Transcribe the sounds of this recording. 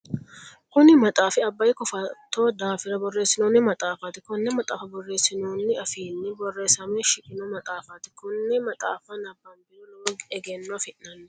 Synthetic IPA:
kʊnɪmɐt̪ʼaːfɪɐbːɐjkɔfɐt̪ːoːd̪aːfɪɾɐbɔrːeːsːɪnoːnːɪmɐt̪ʼaːfɐt̪ɪkʊnːɛmɐt̪ʼaːfɐbɔrːe̞ːsɪnoːnːɪɐfiːnːɪbɔrːe̞ːsɐmɛʃɪkʼɪnɔmɐt̪ʼaːfɐt̪ɪ̥kʊnːɛmɐt̪ʼaːfɐnɐbːɐmbɪɾɔlɐmɔɡɛɡɛnːɔfɪʔːɐnːɛ

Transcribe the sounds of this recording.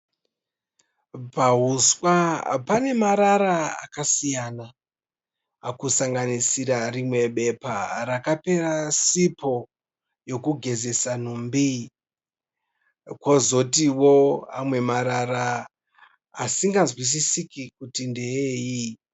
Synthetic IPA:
paɦuswapane̞maɾaɾaa̰kasijana | kusaŋɡanisiɾarimwe̞ɓe̞parakape̞ɾasipʰo̞ | jo̞kuɡʱe̞ze̞sanumbi | kwozo̞tiwoamwe̞maɾaɾa | siŋɡazwis̬isikikutindeeji

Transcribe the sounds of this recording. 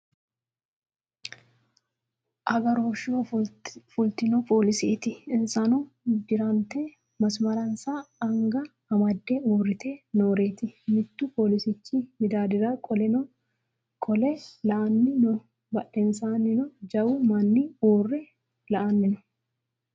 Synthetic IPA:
ʔɐɡɐɾoːʃofʊlt̪ɪnɔpʰo̞ːlɪsɪt̪ɪɪnsɐnu | d͡ʒɪɾɐnt̪e | mɐsmɐɾɐnsaːɐŋɡɐː | mɐd̪ːeːuːrːɪt̪eːno̞ːɾeːt̪ɪmɪt̪ːʊpo̞ːlɪsɪt͡ʃːɪmɪd̪aːd̪ɪɾakʼɔlɛnɔ | kʼɔlɛlɐʔɐnːɪnɔ | bɐᶑɛnsaːnːɪnɔd͡ʒɐwʊmɐnːɪuːrːɛ | lɐʔɐnːɪnɔ̥

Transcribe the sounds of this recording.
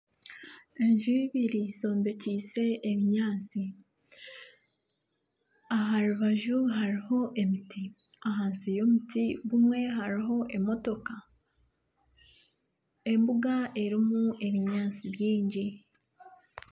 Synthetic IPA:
e̞ɲʒuiβiɾiso̞ːmbe̞ciːse̞ʔːβiɲaːnt͡si | aɦaɾuβaʒuɦaɾiho̞ʔe̞miti | aɦaːnsijo̞mutiβumwe̞ɦaɾiɦo̞ʔe̞mo̞to̞ka | e̞mbuɡae̞ɾimue̞βiɲaːnt͡siβjiːɲɟi

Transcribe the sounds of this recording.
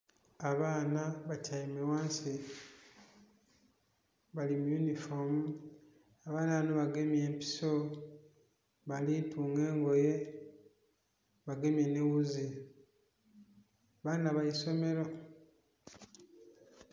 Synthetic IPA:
aβaːnaβacajimewaːnsi | βalimjunifomu | aβaːnaβnoβaɡe̞mje̞ːmpi̥so | βalituːŋɡe̞ːŋɡo̞je̞ | βaɡe̞mjenewuzi | aβaːnaβajiso̞me̞ɾo

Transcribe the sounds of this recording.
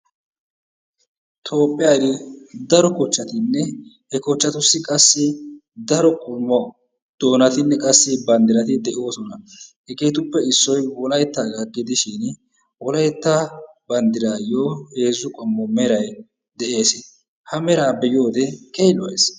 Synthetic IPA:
t̪ʰo̞ːpʼːɪjad̪ɪd̪ɐɾɔkɔt͡ʃːɐt̪ɪnːɛ | hɛkɔt͡ʃːɐt̪ʊsːɪkʼɐsːɪ | d̪ɐɾɔkʼɔmːɔ | d̪̥o̞ːnɐt̪ɪnːɛkʼɐsːɪbɐnd̪ɪɾɐt̪ɪd̪ɛʔo̞ːsɔnɐhɛkeːt̪ʊpːɛɪsːɔjwɔlɐjt̪ːaːɡɐɡɪd̪ɪʃɪn | wɔlɐjt̪ːa | bɐnd̪ɪɾaːjoːhe̞ːzːʊkʼɔmːɔmɛɾɐj | d̪ɛʔe̞ːsɪ | hɐmɛɾaːbɛjo̞ːd̪ɛkejlɔweːs

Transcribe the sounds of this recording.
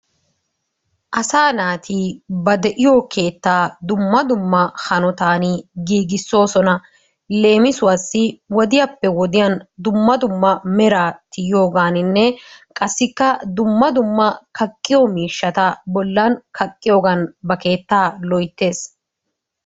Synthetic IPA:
ʔɐsaːnaːt̪ʰiːbɐd̪ɛʔɪjokʰe̞ːt̪ːaːd̪ʊmːɐd̪ʊmːɐhɐnɔt̪aːniɡiːɡɪsːo̞ːsɔnɐ | le̞ːmɪsʊwɐsːɪwɔd̪ɪjɐpːɛwɔd̪ɪjɐnd̪ʊmːɐd̪ʊmːɐmɛɾaːt̪ɪjjo̞ːɡaːnɪnːɛkʼɐsːɪkːɐd̪ʊmːɐd̪ʊmːɐkɐkʼːɪjɔmiːʃːɐt̪ɐbɔlːɐnkʰɐkʼːɪjo̞ːɡɐnbɐke̞ːt̪ːaːlɔjt̪ːe̞ːs

